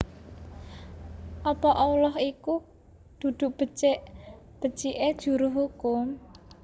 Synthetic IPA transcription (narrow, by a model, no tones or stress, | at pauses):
ʔɔpɔʔɔulɔɦiku | d̪̥ṳd̪̥ʊ̤ʔb̥ə̤t͡ʃɪʔ | b̥ə̤̥t͡ʃiʔed̥ʒ̥ṳɾʊɦukʊm